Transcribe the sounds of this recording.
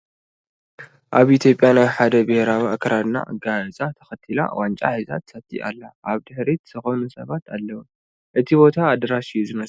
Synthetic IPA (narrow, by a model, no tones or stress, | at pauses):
ʔaβʔit̪ʰjo̞pʼːjanajħad̪ɐbɨheɾawiakʰːɐɾad̪na̰ʔa̰ɡaɨt͡sʼat̪ʰɐ̥xɐt̪ʰila̰want͡ʃʼa̰ħiza̰t̪sɐt̪ʰːḭʔa̰lːaʔaβd̪ɨħɾit̪z̥ɨxonusɐβat̪ʰalːɐwu | ʔɨt̪ʰibo̞t̪ʰaːd̪ɐɾaʃijːuzɨmɐs